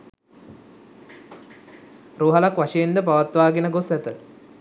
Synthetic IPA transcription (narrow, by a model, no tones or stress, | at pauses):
roːɦalakʋaʂejend̪əp̬aʋat̪ʋaːɡenəɡosæt̪ə